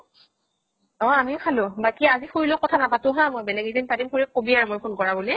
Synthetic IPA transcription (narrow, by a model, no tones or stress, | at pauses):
ɔ̃amikʰalʊ̃bakiazixuɹilʊkɔtʰanapatʊ̃ɦãmojbɛlɛɡidinpadimkoɹikobiaɹumojpʰonkɔɹabuli